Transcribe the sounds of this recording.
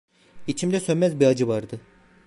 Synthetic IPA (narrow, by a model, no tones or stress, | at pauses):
it͡ʃʰimd̪ɛsønmɛzbiɾad͡ʒɯvaɾd̪ɯ